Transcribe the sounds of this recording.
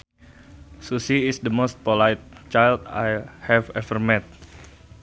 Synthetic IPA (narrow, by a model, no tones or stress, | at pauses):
susiɪsdəmost̪̚polajt̪̚t͡ʃajld̪a̰jhɛvɛvərmɛt̪̚